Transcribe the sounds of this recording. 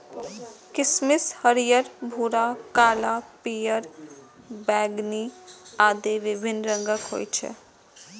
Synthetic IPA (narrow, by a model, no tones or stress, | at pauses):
kɪsmɪshəɾijəɾbʱuːɾaːkaːlapijəɾ | bɛːɡniaːd̪eʋɪbʱɪnɾə̃ŋɡəkɦo̰ːit͡ʃʰɛ̰